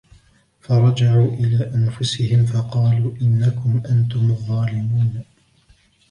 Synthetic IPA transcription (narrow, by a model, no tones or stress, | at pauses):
fɑɾˤɑd͡ʒaʕuːʔɪlaːʔanfʊsɪhɪmfɑqɑːluːʔɪnːakʊmʔant̪ʊmɑðˤːɑːlɪmuːn